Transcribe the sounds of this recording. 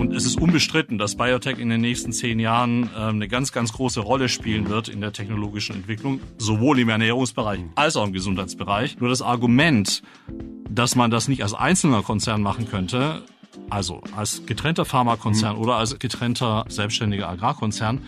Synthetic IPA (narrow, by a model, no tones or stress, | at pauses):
ʔʊntɛsɪstʔʊnbəʃtʁ̥ɪtn̩dasb̥ajotʰɛkɪndeːnːɛːçstn̩t͡seːnjaːʁənɛmnəɡant͡sɡ̥ant͡sɡ̥ʁoːsəʁɔləʃpiːlənvɪɐtɪ̰ndeːɐtʰɛçnoloːɡɪʃn̩ɛ̰ntv̥ɪklʊŋzovoːlɪmɛɐnɛːʁ̞ʊŋsb̥əʁaɪçʔalsaʊxɪmɡəzʊnthaɪt͡sb̥əʁaɪçnuːɐdas̬ʔaɐɡumɛnt | d̥asmandasnɪçtalsʔa̰ɪnsl̩nɐkʰɔnt͡sɛɐnmaχn̩kʰœntə | ʔalzo̰ʔalsɡ̥ətʁ̥ɛntɐfaɐmakʰɔnt͡sɛɐnʔoːdɐalsɡ̥ətʁ̥ɛntʰɐz̥ɛlpstʃtɛndɪɡɐʔaɡʁaːkʰɔnt͡sɛɐn